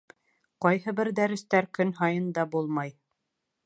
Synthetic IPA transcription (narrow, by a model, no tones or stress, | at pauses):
qɑjɦɤbɘɾd̪æɾɘ̆st̪æɾkɵnɦɑjɤnd̪ɑbulˠmɑj